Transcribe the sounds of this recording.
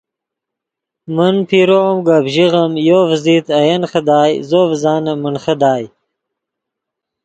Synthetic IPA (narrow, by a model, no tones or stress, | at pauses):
mənpʰiɾomɡabʑiɣɐmjoːfziːt̪ʰɐjɐnχəd̪aːjzoːvzɑːnɐmənχɐd̪aːj